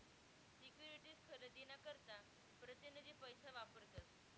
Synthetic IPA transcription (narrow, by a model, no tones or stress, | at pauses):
sikjuɾiʈiːskʰəɾəd̪inakəɾt̪a | pɾət̪jənəd͡ʑepəjsaʋapəɾt̪at̪